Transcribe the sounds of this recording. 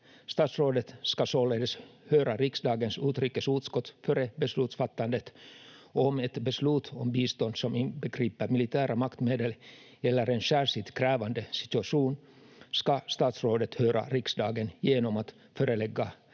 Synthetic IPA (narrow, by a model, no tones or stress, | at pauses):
st̪ɑːt̪sɾoːd̪ət̪skɑsoːleːd̪əshøːɾaɾɪksd̪ɑːɡənsʉːt̪ɾyːkːəsʉːt̪skɔt̪ːfœːɾəbɛslʉːt̪sfat̪ːand̪ət̪ | ɔmɛt̪bɛslʉːt̪ʰɔmbiːst̪ɔnd̪sɔmɪnbəɡɾiːpəɾmɪlɪt̪ʰæːɾamakt̪meːd̪əl | ɛlːəɾɛnɕæːɾʂɪt̪kʰɾɛːvand̪əsɪ̥t̪ɵaʂuːn | skast̪ɑːt̪sɾoːd̪ət̪høːɾʔa̰ɾɪksd̪ɑːɡənjeːnɔmat̪ | føːɾəlɛɡːa